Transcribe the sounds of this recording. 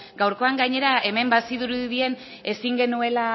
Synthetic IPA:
ɡ̥awɾko̞aŋɡaɲe̞ɾae̞me̞mbasiðuɾuðie̞n | e̞siŋɡe̞nue̞la

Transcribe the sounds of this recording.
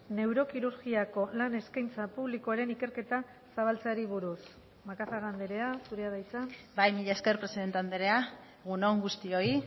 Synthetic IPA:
ne̞wɾo̞kiɾuɾɣiako̞lane̞skajnt͡sapuβlikoaɾe̞nike̞ɾke̞t̪a | saβ̞alt͡saɾiβ̞uɾus | makaθaɣand̪e̞ɾe̞asuɾe̞að̞ajt͡sabajmiʎaeskeɾpɾe̞siðe̞nt̪eand̪eɾe̞a | ɣunoŋɡust̪io̞i

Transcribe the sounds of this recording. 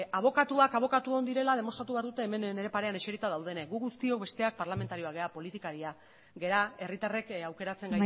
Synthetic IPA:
aβ̞o̞kat̪uakaβ̞o̞kat̪ueɣond̪iɾe̞lað̞e̞mo̞st̪ɾat̪uβeaɾðut̪e̞ːme̞nne̞ɾe̞paɾe̞ane̞t͡ʃeɾit̪aðawð̞e̞neɡuɣust̪io̞k̚βe̞st̪e̞ak̚paɾlame̞nt̪aɾio̞aɣe̞apo̞lit̪ikaɾia | ɡe̞ɾae̞rit̪are̞kawke̞ɾat͡seŋɡa

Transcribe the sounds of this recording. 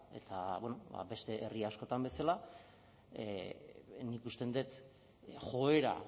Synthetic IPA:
e̞t̪aβwono̞ba̰be̞st̪e̞ʔeriasko̞t̪ambe̞sala | nikust̪e̞nd̪et̪ | xo̞e̞ɾa̰

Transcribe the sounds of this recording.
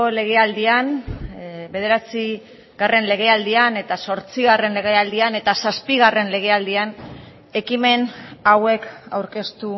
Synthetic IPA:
ole̞ɣ̞e̞ald̪ian | be̞ð̞e̞ɾat͡si | ɣare̞nle̞ɣ̞e̞ald̪iane̞t̪aso̞ɾt͡siɣare̞nle̞ɣe̞ald̪iane̞t̪asaspiɣ̞are̞nle̞ɣ̞e̞ald̪ian | e̞kime̞nawe̞ka̰wɾke̞st̪u

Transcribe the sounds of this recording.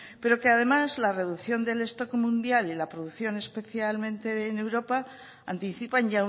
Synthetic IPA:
pe̞ɾo̞keað̞e̞mazlare̞ðuθjo̞nd̪e̞le̞st̪o̞kmũnd̪jalilapɾoðuθjo̞ne̞spe̞θjalmẽ̞nt̪e̞newɾo̞pa | ant̪iθipanʝa

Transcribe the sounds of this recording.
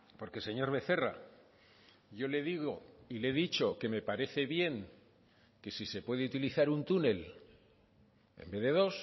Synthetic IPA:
po̞ɾke̞se̞ɲo̞ɾβe̞θe̞ra̰ | ʝo̞le̞ðiɣo̞ile̞ðit͡ʃo̞ke̞me̞paɾe̞θe̞βje̞ŋ | ke̞sise̞pwe̞ðeut̪iliθaɾunt̪une̞l | ḛmbe̞ðe̞ðo̞s

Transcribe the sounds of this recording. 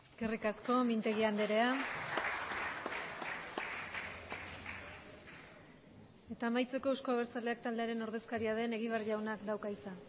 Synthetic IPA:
kerikasko̞mint̪e̞ɣiand̪e̞ɾe̞a | e̞t̪aːmajt͡se̞ko̞uskoaβeɾt͡sald̪e̞ak̚t̪ald̪e̞aɾe̞no̞ɾðe̞skaɾiað̞e̞ne̞ɣ̞iβarʎawnakd̪awkajt͡sa

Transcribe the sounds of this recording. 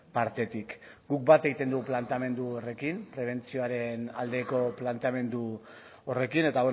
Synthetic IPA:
paɾt̪e̞t̪ikɡuk̚bat̪e̞ɣit̪e̞nd̪uɣplant̪ame̞nd̪uore̞kimpɾe̞β̞e̞nt͡sio̞aɾe̞na̰ld̪e̞ko̞plant̪eame̞nd̪u | ore̞kine̞t̪awe

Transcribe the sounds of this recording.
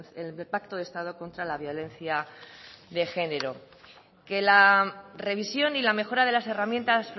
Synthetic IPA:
elpakt̪o̞ðe̞st̪að̞o̞ko̞nt̪ɾalaβ̞jo̞lẽ̞nθja | ðe̞xe̞ne̞ɾo̞ | ke̞lare̞β̞isjo̞nilame̞xo̞ɾað̞e̞lase̞ramje̞nt̪asf

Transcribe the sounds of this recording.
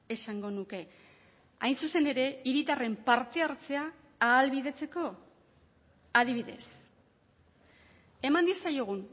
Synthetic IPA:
e̞saŋɡo̞nuke̞ | a̰jnsuse̞ne̞ɾe̞iɾit̪are̞mpaɾt̪e̞aɾt͡se̞aː | lβiðe̞t͡se̞ko̞ | aðiβ̞iðe̞̰s | e̞mand̪isajo̞ɣ̞un

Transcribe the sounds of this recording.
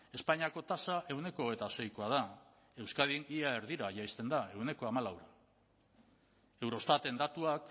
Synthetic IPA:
e̞spaɲiako̞t̪asaʔe̞wne̞ko̞oɣ̞e̞jt̪ase̞jkoað̞a | e̞wskaðiŋiaeɾðiɾaʝajst̪e̞nd̪ae̞wne̞ko̞amalawɾa | e̞wɾo̞st̪at̪e̞nd̪at̪uak

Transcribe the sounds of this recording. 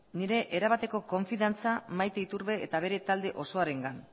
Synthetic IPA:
niɾe̞ʔeɾaβat̪e̞ko̞ko̞ɱfiðant͡samajt̪eit̪uɾβe̞et̪aβ̞e̞ɾe̞t̪ald̪e̞ʔo̞so̞aɾe̞ŋɡan

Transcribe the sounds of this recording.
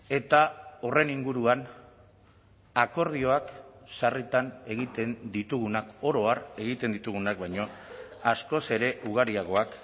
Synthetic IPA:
e̞t̪ao̞re̞niŋɡuɾuan | ako̞ɾð̞io̞aksarit̪ane̞ɣ̞it̪e̞nd̪it̪uɣunako̞ɾo̞are̞ɣ̞it̪e̞nd̪it̪uɣ̞unakbajɲo̞asko̞se̞ɾe̞ʔuɣ̞aɾiaɣ̞o̞ak

